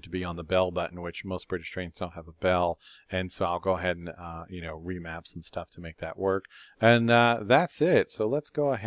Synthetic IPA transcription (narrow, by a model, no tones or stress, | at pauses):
tʰəbiə̃nðəbɛlˠbʌʔn̩wɨt͡ʃmoʊsb̥ɹɪɾɨʃtɹ̥ẽɪ̃ntzd̥õʊ̃nthəvəbɛlˠɨ̃nsoʊaɪlˠɡoʊəɦɛɾn̩jɨñoʊɹimæpsn̩stʰʌftʰəmeɪk̚ðɨ̰ʔ̚wɜ˞kɨ̃nʌðætsɪt̚soʊlətsɡ̥oʊəɦ